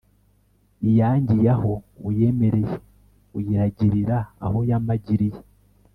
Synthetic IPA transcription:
ijaːɲɟijaho̞uje̞me̞ɾe̞je | ujiɾaɟiɾiɾa̰ːhojamaɟiɾije

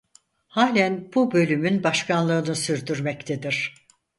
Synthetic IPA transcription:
haːlʲænbubø̞lʲymynbaʃkʰanlˠɯːnɯsyɾd̪yɾmɛct̪ʰed̪iɾ̥

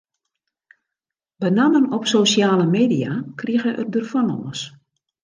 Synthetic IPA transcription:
bənamənɔpsosjaːləmeːdijakriəɣəʔə̰rdərfɔnɔ̰ːəs

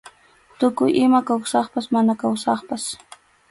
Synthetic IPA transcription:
t̪ʊkʊjʔɪmakawsɑχpasmanakawsɑχpas

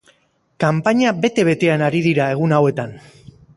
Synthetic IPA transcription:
kampaɲabe̞t̪e̞β̞e̞t̪e̞anaɾiðiɾae̞ɣ̞unawe̞t̪an

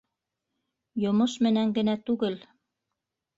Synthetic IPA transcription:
jŏmoʃmɘ̆næŋɡɘ̆næt̪ʉɡɘl

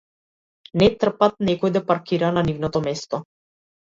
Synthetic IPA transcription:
nɛt̪r̩pat̪̚nɛkɔjd̪ɛpaɾkiɾananivnɔt̪ɔmɛst̪ɔ

